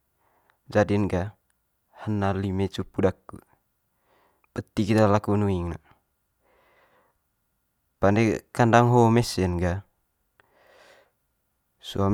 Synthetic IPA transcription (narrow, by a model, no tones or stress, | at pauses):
d͡ʒadinɡa | hənːalimet͡ʃupːudakːṵ | bət̪ːikit̪alakunuiŋna | pandekandaŋɦomɛsɛnɡa | suam